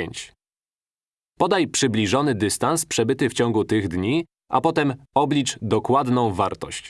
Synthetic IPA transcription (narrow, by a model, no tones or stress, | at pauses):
eɲt͡ɕ | pɔd̪ajpʂɘblʲiʐɔnɘd̪ɘst̪anspʂɛbɘt̪ɘft͡ɕɔ̃ŋɡut̪ɘɣd̪ɲi | ʔa̰pɔt̪ɛmɔblʲit͡ʂd̪ɔkwad̪nɔ̃w̃vaɾt̪ɔ̰ɕt͡ɕ